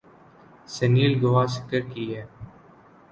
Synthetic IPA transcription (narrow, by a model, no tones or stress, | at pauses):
səniːlɡoʋaːsɪ̥kəɾkiːɦɛː